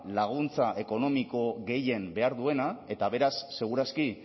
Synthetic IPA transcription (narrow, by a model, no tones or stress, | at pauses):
laɣ̞unt͡saʔe̞ko̞no̞miko̞ɣe̞je̞mbe̞aɾðue̞nae̞t̪aβe̞ɾasːe̞ɣ̞uɾaski